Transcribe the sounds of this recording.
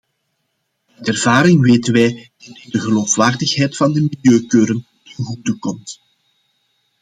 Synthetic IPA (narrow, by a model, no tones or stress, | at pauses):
tɛrvaːɾɪŋʋeːtənʋɛjd̥ɑtɪdəɣəloːfwaːrdəxɦɛjtfɑndəmiljøːkøːɾən | tənɣutəkɔmt